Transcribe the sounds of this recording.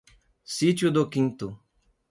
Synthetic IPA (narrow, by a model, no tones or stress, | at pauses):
sit̪jʊd̪ʊkĩnt̪ʊ